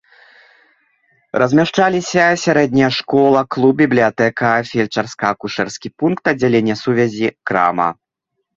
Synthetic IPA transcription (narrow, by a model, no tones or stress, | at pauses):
rʔɐzʲmʲaʂt͡ʂalʲisʲɐsʲaɾɛd̪̚ʲnʲɐjɐʂkɔlˠɐklˠub̚bʲiblʲijat̪ɛkɐfʲɛlʲt͡ʂɐrskɐɐkuʂɛrskʲipunkt̪ɐdd͡zʲːalʲenʲːɐsuvʲɛzʲikɾa̰mɐ̰